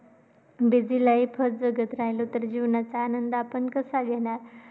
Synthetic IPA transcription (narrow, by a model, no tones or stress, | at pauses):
bid͡zilaipʰəd͡zəɡət̪ɾaɦlot̪əɾd͡ʑiʋɳjat͡saːnənd̪apəɳkəsaɡɛnaɾ